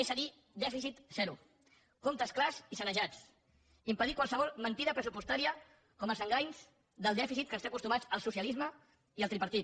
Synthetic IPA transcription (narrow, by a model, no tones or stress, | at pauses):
esəði | d̪ɛfisit̪z̥ɛɾu | komt̪əsklazisənəʒat͡s | impəðikwalˠsəβ̞ɔlˠmənt̪iðəpɾəsupust̪aɾiə | kɔməlˠzəŋɡajɲz | d̪əlˠd̪ɛfisit̪kəst̪akust̪umat͡səlˠsusjəlizmə | iəlˠt̪ɾipəɾt̪it̪